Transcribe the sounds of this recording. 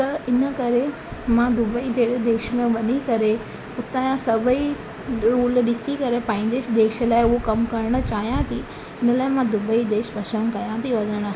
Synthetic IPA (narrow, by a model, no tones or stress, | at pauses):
t̪ɐɪnəkɐɾe | mãd̪ʊbəid̪eːɽd̪eːʃəmẽʋɐɗikɐɾe | ʊt̪aːjãsɐbʱəi | ɾuːlɗɪsikɐɾepɐ̃ɦɪ̃ɲ̆d͡ʑed̪eːʃə̆laːɪʊɦokɐmkɐɾəɽ̃ə̆t͡ɕaːɦijãt̪ʰi | ɪnə̆laːɪmãd̪ʊbəid̪eːʃbɐʃə̃nkɐjãt̪ʰiʋɐd̪ʱəɽ̃